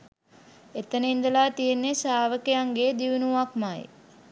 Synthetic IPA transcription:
et̪ənəind̪əlaːt̪ijenːesaːʋəkejaŋɡeːd̪iʋunuʋakmaj̰

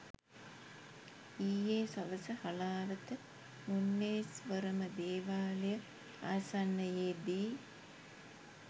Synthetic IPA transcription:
iːjeːsɐʋəsɐhɐlaːʋət̪ɨ | munːeːsʋəɾɐmɐd̪eːʋaːlijɐ | aːsanːɐjeːbiː

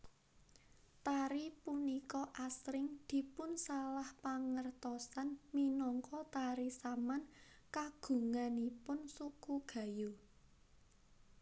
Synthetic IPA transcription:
t̪aɾipunikɔʔasɾɪŋd̪̥i̤pʊnsalahpaŋərt̪ɔsanminɔŋkɔt̪aɾisaman | kaɡ̥ṳŋanipʊnsukuɡ̥ä̤ju

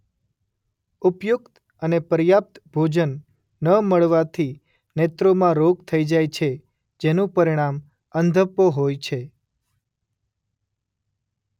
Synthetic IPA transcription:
upjukt̪ | ənepəɾjap̚t̪bʱod͡ʒənː | əməɭʋat̪ʰi | net̪ɾomãɾoɡ̚t̪ʰəid͡ʒajt͡ʃʰe | d͡ʒenũpəɾiɽ̃am | ənd̪ʱəpːoɦojt͡ʃʰe

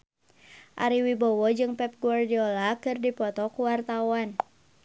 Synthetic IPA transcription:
ʔa̰ɾiwibɔwɔd͡ʒɨŋpɛp̚ɡuardiɔlakɨrdipɔt̪ɔkuwart̪awan

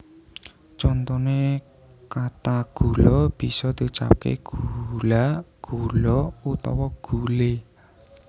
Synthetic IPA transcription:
t͡ʃɔnt̪ɔne | kat̪aɡ̥ulɔb̥i̤sɔd̪̥ut͡ʃa̰p̚kḛɡ̥ulaɡ̥ulɔut̪ɔ̰wɔɡ̥ule

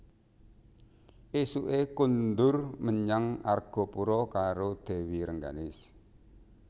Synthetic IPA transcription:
ʔesuʔekund̪ʊrməɲaŋarɡ̥ɔ̤puɾɔkaɾod̪̥e̤wiɾəŋɡa̰nɪs

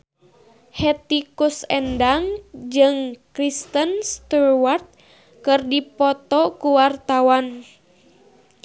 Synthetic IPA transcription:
hɛt̪ikusɛndaŋd͡ʒɨŋkɾist̪ənst̪urwart̪̚ | kɨrdipɔt̪ɔkuwart̪awan

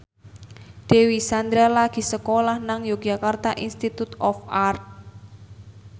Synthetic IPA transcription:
d̪̥ewisand̪ɾalaɡ̥i̤səkolahnaŋjoɡ̥ʒakart̪aʔinst̪it̪ut̪ɔfart̪̚

